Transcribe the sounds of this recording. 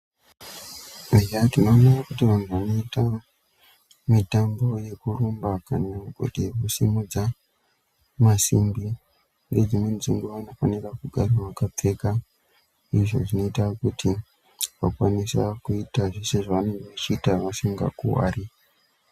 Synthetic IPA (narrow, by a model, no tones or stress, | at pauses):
ejatino̞ːnarakutiʋan̤uʋano̞ita | mitambo̞je̞kuɾumbakanaɡʱo̰dʱekusimud͡za | masimbi | ured͡zimend͡ziŋɡuʋano̞fanirakuɡʱaraʋakap͡fe̞ka | iʐo̞̰ʐino̞itakutʰi | ʋakwanisa̰kuitaʐiseʐaʋane̞ŋɡeʋat͡ʃiːtaʋasiŋɡa̰kṵwa̰ːri